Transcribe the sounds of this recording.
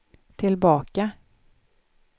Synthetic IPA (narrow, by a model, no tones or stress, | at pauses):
t̪ʰɪlbɑːka